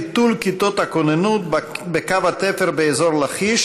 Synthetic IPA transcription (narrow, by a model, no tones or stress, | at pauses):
t̪ulkit̪ot̪hakonenut̪bekavat̪efeʁbeezoʁlaχiʃ